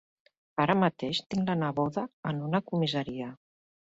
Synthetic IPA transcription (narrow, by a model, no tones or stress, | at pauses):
aɾəmət̪eʃt̪iŋlənəβoðəːnunəkumizəɾiə